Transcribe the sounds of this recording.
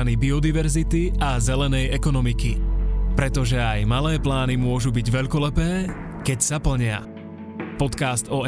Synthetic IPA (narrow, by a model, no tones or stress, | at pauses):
nibiɔd̪iʋɛɾzit̪iʔazɛlɛnɛjɛkɔnɔmikipɾɛt̪ɔʒɛajmalɛːplaːnimʊɔʒubiɟʋɛʎkɔlɛpɛː | kɛcsapl̩ɲɪa̰ | pɔt̪kast̪ɔ